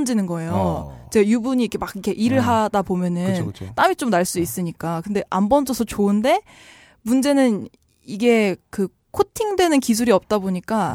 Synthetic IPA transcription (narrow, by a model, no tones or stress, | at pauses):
nd͡ʑenɯnɡʌe̞jot͡ɕeɡjubuɲiikʰemakikʰe̞ʔiɾɯɭɦadabomjʌnɯnt͈amit͡ɕ͈omnaɭs͈uis͈ɯɲik͈akɯnde̞ʔambʌnd͡ʑ͈ʌsʰʌt͡ɕoɯnde̞ | mund͡ʑe̞nɯn | iɡe̞kɯ | kʰotʰiŋdwe̞nɯnkis̬ʰuɾiʌp̚t͈aboɲik͈a